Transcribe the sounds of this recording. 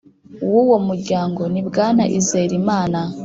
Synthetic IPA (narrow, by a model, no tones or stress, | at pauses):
uwuwomuɾɟaːŋɡo̞nibɡaːna̰ʔizeɾimaːna